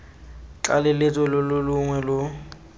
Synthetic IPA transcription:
t͡ɬa̰lɪlɪt͡sʼɔlʊlʊlʊŋwɛlʊ

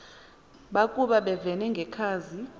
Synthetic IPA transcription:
ɓakʼuɓaɓɛvɛnɛŋɡʱɛkʰaːzi

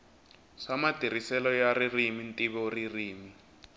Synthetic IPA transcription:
samatir̤isɛlɔjaririmintʼiβɔririːmi

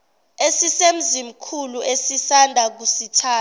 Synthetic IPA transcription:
esisem̩zim̩kʰuluʔesisandʱak̬usitʰaː

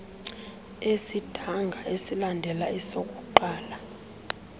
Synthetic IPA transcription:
esid̥ʱaŋɡʱaʔesilandʱɛlaisokʼuǃaːla

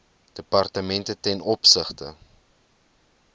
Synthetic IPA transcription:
d̥əpɐrtəmɛntətɛnɔpsəχtə̰

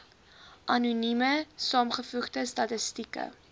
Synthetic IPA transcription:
ʔɐnuniməsɑːmχəfuχdəstɐtəstikə̰

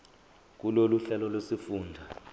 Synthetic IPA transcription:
k̬uloluɬɛlɔlwesifuːndʱa

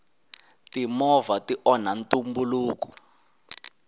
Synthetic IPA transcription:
timɔvatiʔɔnantʼumbuluːku̥

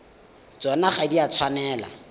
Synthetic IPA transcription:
t͡sɔnaχadiat͡sʰwanɛːla̰

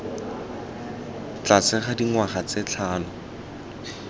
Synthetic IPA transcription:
t͡ɬat͡sɪχadiŋwaχat͡sɪt͡ɬʰaːnʊ

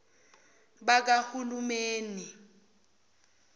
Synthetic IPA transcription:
bak̬ʼahulumeːni

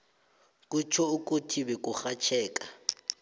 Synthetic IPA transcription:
kʼut͡ʃʰɔukʼotʰibɛkʼuxat͡ʃʰɛːkʼa

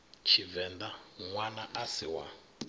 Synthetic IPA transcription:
t͡ʃʰivɛnd̪aŋwanaʔasiwa̰

